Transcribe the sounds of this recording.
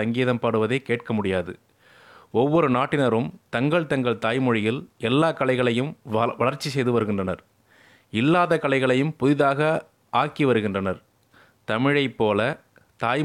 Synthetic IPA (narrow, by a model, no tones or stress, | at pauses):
ɐŋɡiːɐðɐmpaːɽɯʋɐðeːkeːʈkɐmʊɽɪjaːðɯ̰ | ɔʋːɔɾɯnaːʈːɪnɐɾɯmt̪ɐŋɡɐɭt̪ɐŋɡɐɭt̪aːjmɔɻɪjɪlɛlːaːkɐɭɐɪɣɐɭɐjɯmʋɐɭɐɾt͡ʃːis̬ɛjðɯʋɐɾɯɣɪndrɐnɐɾ | ɪlːaːðɐkɐɭɐɪɣɐɭɐjɯmpʊðɪðaːɣɐ | ʔaːkiʋɐɾɯɣɪndrɐnɐɾ | t̪ɐmɪɻɐɪpːoːlɐ | t̪aːj